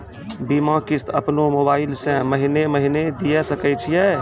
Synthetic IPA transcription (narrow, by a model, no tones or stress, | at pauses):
bimãkist̪ʰəpnomobailsẽməɦineməɦined̪ijɛsəkɛjt͡ʃʰijɛ